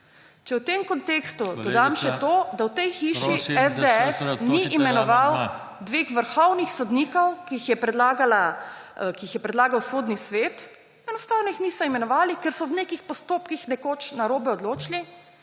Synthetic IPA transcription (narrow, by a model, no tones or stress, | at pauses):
t͡ʃɛwt̪emkɔnt̪eːkst̪ud̪ɔd̪amʃɛt̪oːd̪awt̪ɛjxiːʃisɛzd̪eɛsniʔimɛnɔʋaw | d̪ʋeːxʋəɾxɔwnixsɔd̪niːkɔwkiixjɛpɾɛd̪laːɡala | kiixjɛpɾɛd̪laːɡawsoːd̪nisʋeːt̪ | ɛnɔst̪aːwnɔixniːsɔimɛnɔʋaːlikɛɾsɔbnekixpɔst̪oːpkixnɛkot͡ʃnaɾoːbɛɔd̪loːt͡ʃli